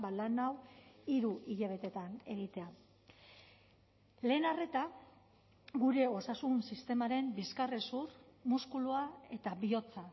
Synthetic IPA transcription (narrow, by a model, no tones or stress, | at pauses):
balanawiɾuʔiʎaβ̞e̞t̪e̞t̪ane̞ɣ̞it̪e̞a | le̞ːnare̞t̪a | ɡuɾe̞o̞sasunsist̪e̞maɾe̞mbiskaresurmuskuluae̞t̪abio̞t͡sa